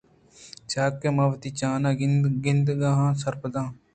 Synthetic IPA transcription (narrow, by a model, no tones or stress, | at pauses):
t͡ʃaːkːeːmaːʋt̪iːt͡ʃãːnãːɡɪnd̪ɡãːɦãːsəɾpəd̪ãː